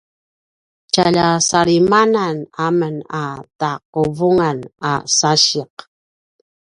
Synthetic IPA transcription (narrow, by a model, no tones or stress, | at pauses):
t͡ʃaʎasaɾimananamənataq̚uvuŋana̰saɕiq̚